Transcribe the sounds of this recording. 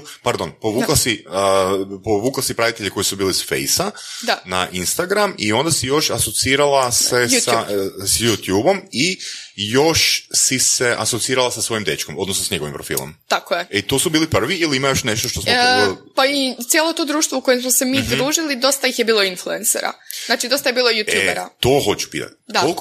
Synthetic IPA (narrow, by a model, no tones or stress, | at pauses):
paɾd̪onpo̞ʋuːklˠasiəpoʋuːklˠasipɾaʋit̪eʎeko̞jisubiːlisfḛjsad̪anaʔinst̪aɡɾamio̞nd̪asijo̞ʃaso̞t̪siːɾalˠaseasjut̪juːbo̞mijo̞ʃsiseʔasot̪iiːɾalˠasasʋo̞jimd̪e̞t͡ʃkomo̞d̪nosnosaɲeɡo̞ʋḭmpɾofḭːlˠo̰mt̪akojeet̪o̞subiːlipr̩ʋiiliimajo̞ʃne̞ʃt̪oʃt̪ospait̪sjelˠo̞t̪oːd̪ɾuːʃt̪ʋouko̞jemsmosemiːd̪ɾuːʒilid̪o̞st̪ajixjebiːlˠoinfluensḛɾa̰naːt͡ʃid̪o̞st̪ajbiːlˠojut̪ueeɾa̰t̪o̞ɦo̞t͡ʃu̥pḭːt̪a̰t̪d̪ol